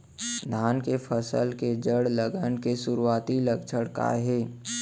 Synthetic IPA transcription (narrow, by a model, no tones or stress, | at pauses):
d̪ʱaːnkepʰəsə̰lked͡ʒəɽləɡənkesʊɾuaːt̪iləkt͡ʃʰəɽka̰ɦeː